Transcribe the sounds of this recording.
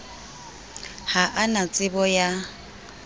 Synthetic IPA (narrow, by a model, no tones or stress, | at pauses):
haʔanat͡sʼɪbɔja